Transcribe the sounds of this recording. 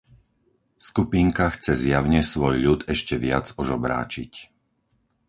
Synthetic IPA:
skupiːŋkaxt͡sɛzjaʊɲɛsʋɔjʎut̪ɛʃcɛʋɪad͡zɔʒɔbɾa̰ːt͡ʃic

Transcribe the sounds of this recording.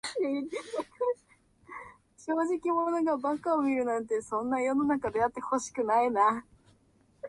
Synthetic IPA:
e | ɕo̞ːʑikʲimono̞ɡabakaomʲiɾɯ̟nãnt̪e̞sõ̞nːajo̞nonakad̪e̞at̪ːe̞ho̞ɕi̥kɯ̟naina

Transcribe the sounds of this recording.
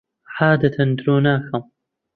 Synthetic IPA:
ħaːd̪ɐt̪ʰɐnd̪ɾoːnaːxɐm

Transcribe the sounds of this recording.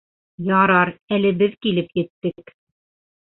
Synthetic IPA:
jɑɾɑɾælɘ̆bɘðkilɘpjɘ̆t̪ːɘk

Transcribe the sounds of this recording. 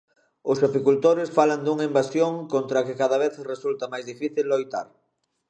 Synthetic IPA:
ʊsapikult̪oɾɪsfaland̪uŋaimbasjoŋkont̪ɾakɪkaðaβ̞eθresult̪ɐmajzðifiθilːojt̪a̰ɾ

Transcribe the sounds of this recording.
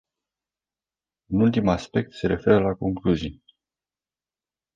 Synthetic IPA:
ɨnult̪imaspe̞k̚t̪se̞ɾe̞fe̞ɾəlako̞ŋkluzij

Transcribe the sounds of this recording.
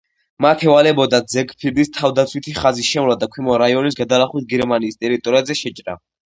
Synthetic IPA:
mat̪ʰɛvalɛbɔd̪ad̪zɛkpʰid̪ist̪ʰavd̪at̪sʰwit̪ʰiχaziʃɛmlad̪akʰwimɔɾaiɔnis̬ɡad̪alaχwit̪̚ɡɛɾmaniːst̪ʼɛɾit̪ʼɔɾiazɛʃɛt͡ʃʼɾa̰

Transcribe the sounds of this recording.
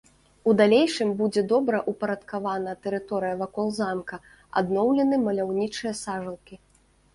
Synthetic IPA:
ud̪alʲejʂɨmbud͡zʲɛd̪ɔbɾɐʔupɐɾɐt̪kavanɐt̪ɛɾɨt̪ɔɾɨjɐvakɔlˠzamkɐ | a̰d̪nɔwlʲɛnɨmɐlʲawnʲit͡ʂɨjɐsaʐɐlˠkʲi

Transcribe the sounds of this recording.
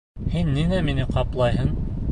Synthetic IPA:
hinːinæminɘqɑplˠɑjɦɤn

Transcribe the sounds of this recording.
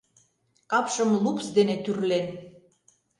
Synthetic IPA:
kɑpʃə̆mlupsd̪enet̪yrlen

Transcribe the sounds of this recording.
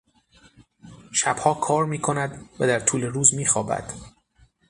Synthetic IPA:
ʃæb̥hɒːkʰɒːɾmiːkʰo̞næd̪væd̪æɾt̪ʰuːle̞ɾuːzmiːxɒːbæ̰d̪̥

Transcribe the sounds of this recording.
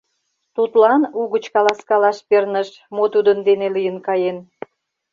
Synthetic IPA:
t̪ut̪lɑnuɣət͡ɕkɑlɑskɑlɑʃpernəʃ | mot̪ud̪ənd̪enelijənkɑjen

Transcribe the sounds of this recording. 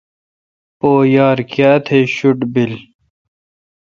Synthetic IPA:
poːjaːɾkjaːt̪ʰeɕuʈbil

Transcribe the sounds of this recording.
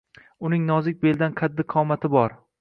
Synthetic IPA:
ʊnɪŋnɒzɪk̚ʲbeld̪anqʰad̪ːɪqʰɒmat̪ʰɪbɒɾ

